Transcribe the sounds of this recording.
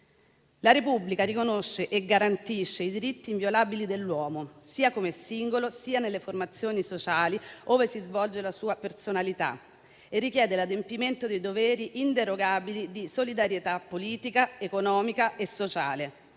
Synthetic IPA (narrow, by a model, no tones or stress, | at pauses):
laɾepubːlikaɾikonoʃːeʔeɡaɾant̪iʃːeid̪iɾit̪ːiːɱvjolaːbilid̪elːwɔːmosiːakomesiŋɡolosiːanelːeformat̪sːjoːnisot͡ʃaːlioːvesizvɔld͡ʒelasuːapersonalit̪a̰ | erːikjɛːd̪elad̪empiment̪od̪ejd̪ovɛːɾiʔint̪eɾoɡaːbilid̪isolid̪aɾjet̪apːoliːt̪ikaekonɔːmikaesːot͡ʃaːle